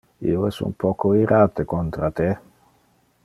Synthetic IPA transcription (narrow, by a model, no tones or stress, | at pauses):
ḭoɛsṵmpɔkoiɾʔaːt̪ekont̪ɾat̪e